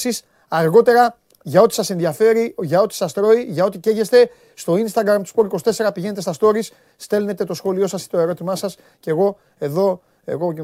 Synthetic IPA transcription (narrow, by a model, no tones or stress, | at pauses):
sis | ɐɾɣo̞t̪e̞ɾɐ | ʝɐo̞t̪i̥sɐse̞nðiɐfe̞ɾiʝɐo̞t̪i̥sɐst̪ɾo̞iʝɐo̞t̪iceʝe̞st̪e̞ | st̪o̞inst̪ɐɡɾɐmt̪u̥spoɾiko̞st̪e̞se̞ɾɐpiʝe̞net̪est̪ɐst̪o̞ɾis | st̪e̞lne̞t̪e̞t̪o̞sxo̞lio̞sɐsit̪o̞e̞ɾo̞t̪imɐsɐs | ce̞ɣo̞ | e̞ðo̞ | e̞̰ɣo